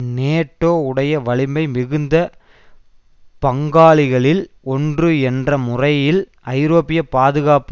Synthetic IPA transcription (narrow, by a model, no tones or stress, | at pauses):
neːʈːoːʊɽɐjɐʋɐɭɪmɐɪmɪɣɯnd̪ɐ | pɐŋɡaːɭɪɣɐɭɪl | ɔndrɯɛndrɐmʊrɐjɪl | ɐɪɾoːpːɪjɐpaːðɯɣaːp